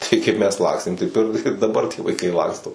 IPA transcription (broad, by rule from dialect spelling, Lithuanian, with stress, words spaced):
ˈtɐɪ kɐɪp ˈmʲɛs ˈlˠɑːksʲtʲeːm tɐɪp ɪr ɪr dɐˈbɐr tʲiɛ ʋɐɪˈkɐɪ ˈlˠɑːkstoː